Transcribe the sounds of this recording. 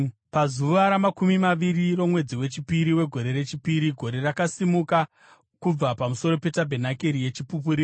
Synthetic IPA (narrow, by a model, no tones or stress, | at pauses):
pazuʋaɾamakumimaʋiriro̞mwe̞d͡ziwe̞t͡ʃipiɾiwe̞ɡʱo̞ɾe̞ɾe̞t͡ʃipiɾiɡʱo̞ɾe̞rakasimuka | kub͡vapamuso̞ɾo̞pe̞tabʱe̞nakeɾije̞t͡ʃipup̬uɾi